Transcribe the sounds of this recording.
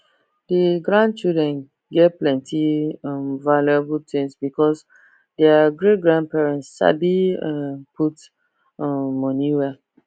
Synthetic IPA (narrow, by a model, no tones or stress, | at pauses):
dəɡɹãn̚t͡ʃudɹɛ̃n | ɡɛtplɛ̃ntʰĩmvalɛbultʰẽnsbikɔs | dɛaɡɹet̚ɡɹãn̚pɛɹɛ̃ntsʃa̰bĩ | pʰut | mɔniwɛ